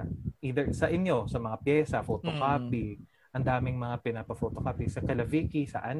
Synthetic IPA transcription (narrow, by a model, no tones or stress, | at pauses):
ʔiːd̪ɛɹsɐʔɪnjo̞sɐmɐŋapjɛːsɐfot̪okaːpɪ | ʔɐnd̪aːmɪŋmɐŋapɪnapɐfot̪okaːpɪsɐkɐlɐviːkisɐ̰ʔan